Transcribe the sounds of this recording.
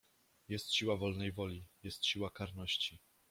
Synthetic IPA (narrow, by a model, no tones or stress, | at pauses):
jɛst̪ɕiwavɔlnɛjvɔlʲijɛst̪ɕiwakaɾnɔɕt͡ɕi